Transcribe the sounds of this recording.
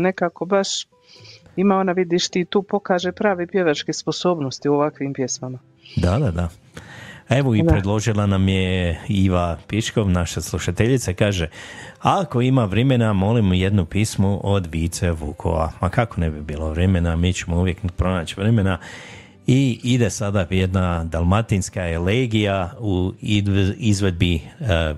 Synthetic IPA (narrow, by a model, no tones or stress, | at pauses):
ne̞kakobaʃ | imao̞naʋid̪iʃt̪iːt̪uːpo̞kaːʒepɾaːʋepje̞ʋat͡ʃkesposo̞ːbnost̪ioʋakʋimpjesmama | d̪ad̪ad̪a | e̞ʋoipɾed̪lˠo̞ʒilˠanamjeiʋapiʃko̞ʋnaʃaslˠuʃat̪eʎit̪sakaːʒeako̞imaʋɾeme̞namo̞limujed̪nupiːsmuʔod̪ʋiːt̪seʋukʰo̰ʋa̰makako̞nebibiːlo̞ʋɾeme̞namiːt͡ɕemouʋje̞kpɾo̞naːt͡ɕʋɾeme̞na | iid̪e̞sad̪ajed̪nad̪alˠmat̪inskaeleːɡijau | izʋe̞d̪̚bi